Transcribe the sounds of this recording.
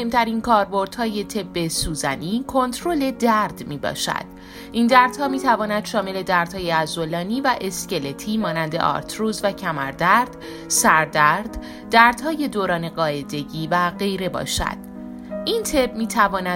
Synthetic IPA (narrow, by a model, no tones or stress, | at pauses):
ohemt̪ʰæɾiːnkʰɒːɾbo̞ɾd̪̥hɒːje̞t̪ʰe̞bːe̞suːzæniːkʰo̞nt̪ʰɾole̞d̪æɾd̪̥miːbɒ̰ːʃæ̰d̪̥ | ʔind̪æɾd̪̥hɒːmiːt̪ʰævɒːnæd̪̥ʃɒːme̞le̞d̪æɾd̪̥hɒːjeæzolɒːniːvæʔe̞sce̞le̞t̪ʰiːmɒːnænd̪e̞ʔɒ̰ːɾt̪ʰɾuːzvæcʰæmæɾd̪æɾd̪̥ | sæɾd̪æɾd̪̥ | d̪æɾd̪̥hɒːje̞d̪oːɾɒːne̞ɢɒːe̞d̪e̞ɟiːvæɢe̞jɾe̞bɒ̰ːʃæ̰d̪̥ | ʔint̪ʰe̞bmiːt̪ʰævɒːnæ